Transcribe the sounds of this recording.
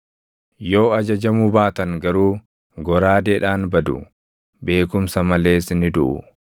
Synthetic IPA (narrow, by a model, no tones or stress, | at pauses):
jo̞ːɐd͡ʒɐd͡ʒɐmubaːt̪ɐŋɡɐɾuː | ɡɔɾaːd̪eːᶑaːnbɐd̪ʊ̰ | be̞ːkʊmsɐmɐle̞ːsnɪd̪ʊʔʊ̰